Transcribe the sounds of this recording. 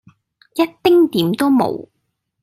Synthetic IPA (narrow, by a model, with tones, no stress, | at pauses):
jɐ˥t̚t̪ɪ˥ŋt̪iː˨˥mt̪o˥wmo̰˨˩w